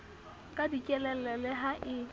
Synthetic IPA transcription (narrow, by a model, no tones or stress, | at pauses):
kʼadikʼɛlɛlɛlɛɦaʔɪ